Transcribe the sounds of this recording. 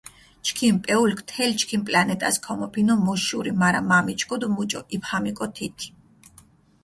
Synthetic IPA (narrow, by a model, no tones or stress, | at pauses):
t͡ʃʰkʰimpʼɛulkʰt̪ʰɛlt͡ʃʰkʰimpʼlanɛt̪ʼaskʰɔmɔpʰinɔmɔʃuɾimaɾamamit͡ʃʰkʰɔd̪mut͡ʃʼɔʔipʰχamikʼɔt̪ʰit̪ʰi̥